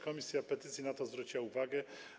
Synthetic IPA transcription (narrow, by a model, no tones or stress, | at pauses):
kɔmʲisʲjapɛt̪ɘt̪sʲjinat̪ɔzvɾut͡ɕiwauvaɡɛ